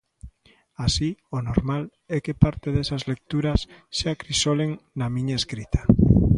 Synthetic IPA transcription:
asionoɾmal | ɛkepaɾt̪eðesazlek̚t̪uɾasːeakɾisoleŋnamĩɲaeskɾit̪ʰḁ

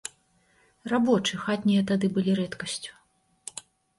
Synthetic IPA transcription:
rabɔt͡ʂɨxat̪ʲnʲijɐt̪ad̪ɨbɨlʲiɾɛt̪kɐsʲt͡sʲu̥

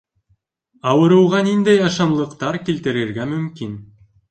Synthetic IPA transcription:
ɑwɤ̆ɾɤ̆wʁɑnind̪æjɑʃɑmlˠɤ̆qt̪ɑɾkilt̪ɘ̆ɾɘ̆ɾɡæmɵ̆mkin

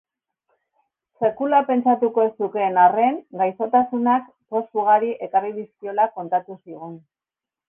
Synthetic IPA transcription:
se̞kulape̞nt͡sat̪uko̞e̞suke̞ːnare̞ŋɡajso̞t̪asunak | po̞stuɣ̞aɾiʔe̞kariðiskio̞lako̞nt̪at̪usiɣ̞un

